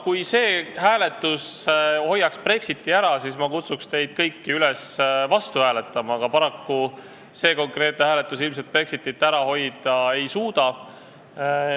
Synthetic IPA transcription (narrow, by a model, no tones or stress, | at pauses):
kujse̞ːhæːle̞t̪ˑːusho̞jːɑkspre̞ksit̪ːˑiæɾɑsismɑkut̪sukst̪e̞jd̪̥̚kɤjkːiylesvɑst̪uhæːle̞t̪ːˑɑmɑɡ̥ɑpɑɾɑkːu | se̞ːko̞ŋkre̞ːt̪nhæːlet̪ːˑusilms̬et̪̚pre̞ksit̪ːˑit̪ːæɾɑho̞jd̪̥ɑe̞jsuːd̪̥ɑ